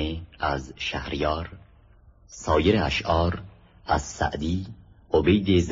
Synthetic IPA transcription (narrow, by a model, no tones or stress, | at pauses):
eæzʃæhɾjɒːɾ | sɒːjeɾeæ̰ʃʔɒːɾ | æz̥sæ̰ʔd̪iː | obejd̪ez